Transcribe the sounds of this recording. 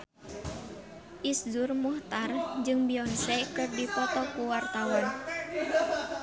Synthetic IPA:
ʔisdurmuht̪ard͡ʒɨŋbiɔnsɛkɨrdipɔt̪ɔkuwart̪awan

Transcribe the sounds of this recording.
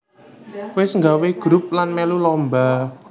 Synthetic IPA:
wɪsŋɡaweɡ̥ɾup̚lanmɛlulɔmba

